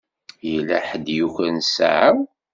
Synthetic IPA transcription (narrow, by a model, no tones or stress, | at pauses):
jəlːæħəd̪juçənsa̰ʕəw